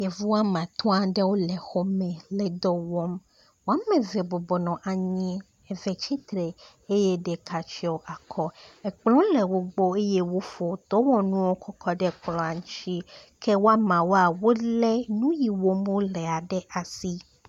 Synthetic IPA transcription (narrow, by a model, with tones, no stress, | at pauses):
jɛ˨vu˦wa˦mã˨t̪ʰɔ̃˦a˨ɖɛ˦wo˦lɛ˨xo˦mɛ̃˨lɛ˨d̪ɔ˦wɔ˦m | wo˦a˦mɛ̃˨vɛ˨bɔ˨bɔ˨nɔ̃˨ʔa˨ɲĩ˦ | ɛ˨vɛ˨t͡ʃi˦t̪ɾɛ˨ | e˦je˦ɖɛ˨kʰa˨t͡ʃi˦o˨ʔa˨kʰɔ˦ɛ˨k͡plɔ̃˦lɛ˨wo˦ɡ͡bo˦e˦je˦wo˦fo˨t̪ɔ˦wɔ̃˦nũ˦wo˦kʰɔ˦kʰɔ˦ɖɛ˦k͡plɔ̃˦a˨ŋũ˦t͡ʃi˦kʰe˦wo˦a˦mã˨wo˦a˨wo˦lɛ˦nũ˦ji˨wo˦m˦o˦lɛ˨a˨ɖɛ˦ʔa˨si˦